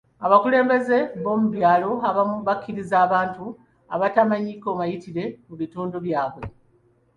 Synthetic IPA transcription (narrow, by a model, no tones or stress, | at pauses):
aβakule̞ːmbe̞ze̞βo̞ːmuβjaːlo̞aβamβakʲːiɾizaːβaːntu | aβatamaɲiko̞βajitiɾe̞muβituːnduβjaːβwe̞